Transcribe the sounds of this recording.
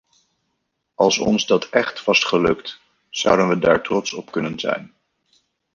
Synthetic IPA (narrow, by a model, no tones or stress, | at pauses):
ɑlˠsɔ̰nzdɑtʰɛχtʋɑsχəlɵkt | z̥ʌ̰wdənʋədaːɹtrɔtsɔpkɵnənzɛ̰jn